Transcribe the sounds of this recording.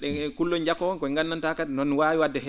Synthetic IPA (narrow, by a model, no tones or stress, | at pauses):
ɗɛkulːɔɲd͡ʒakɔkɔŋɡanːantakadɛnɔnwawiwadːɛɦɛ